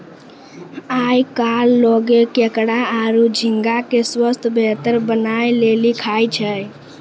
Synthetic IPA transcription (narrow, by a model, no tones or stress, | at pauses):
ajkalːɔɡekekɽaaɾud͡ʒʱiŋɡakeswəst̪ʰbʱet̪əɾbənajlelikʰajt͡ʃʰəj